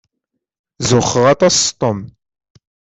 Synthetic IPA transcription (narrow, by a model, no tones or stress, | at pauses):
zəχəʁat̪ast̪ˤəm